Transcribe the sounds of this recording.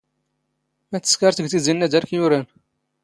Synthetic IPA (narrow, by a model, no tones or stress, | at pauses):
mæt̪ə̥skɑɾˤt̪əɡt̪əzilːæd̪ɑɾkjuɾæn